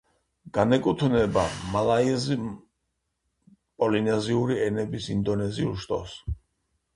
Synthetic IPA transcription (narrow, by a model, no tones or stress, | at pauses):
ɡ̥anɛkʼut̪ʰnɛbamalˠaizi | pʼɔlinɛziuɾiɛnɛbisind̪ɔnɛziulʃt̪ʼɔ̰s